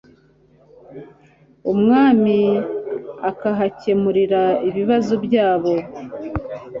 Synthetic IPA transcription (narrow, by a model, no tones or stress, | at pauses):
umŋaːmi | akaɦacemuɾiɾaiβiβazubjaːβo̞